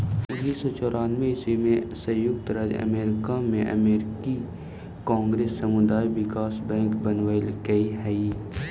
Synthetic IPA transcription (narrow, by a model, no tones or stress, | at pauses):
ʊnːiːsɔt͡ʃɔːɾaːnmẽɪsimẽsɐjʊkt̪ɾad͡ʒɐ̰meːɾɪkamẽʔɐ̰meːɾɪki | kãːŋɡɾeːsːɐmʊd̪aːiʋɪkaːsbɛ̃ːŋkbɐnʋəlkɐiɦɛi